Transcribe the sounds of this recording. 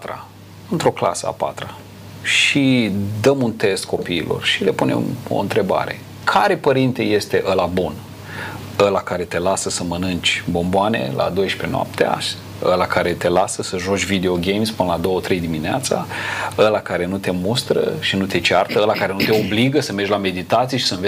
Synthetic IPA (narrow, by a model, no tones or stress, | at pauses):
t̪ɾa̰ | ɨnt̪ɾo̞kla̰səa̰pa̰t̪ɾa | ʃid̪əmunt̪e̞st̪̚kʰo̞pḭːlʔo̞̰rʃile̞pune̞̰mo̰ɨnt̪ɾe̞ba̰ɾe̞̰ | kʰaɾe̞pəɾint̪e̞je̞st̪e̞ʔəlabun | əlakaɾe̞t̪e̞lasəsəmɨnɨnt͡ʃʲbo̞mboane̞̰lʔa̰d̪o̞jʃpe̞noa̰p̚t̪ea̰ʃ | ə̰lakaɾe̞t̪e̞lasəsəʒo̞t͡ʃʲvid̪e̞o̞ɡʲe̞jmspɨnəlad̪o̞wot̪ɾe̞jd̪imineat̪saəlakaɾe̞nut̪e̞must̪ɾə̰ʃinut̪e̞t͡ʃart̪əəlakaɾe̞nut̪e̞o̞bliɡəsəmerd͡ʒʲlame̞d̪it̪at̪sijeʃi̥sənve